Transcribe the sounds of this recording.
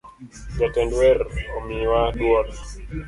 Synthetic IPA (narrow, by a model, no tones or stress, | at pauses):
d͡ʒatɛndwɛromiwadwɔl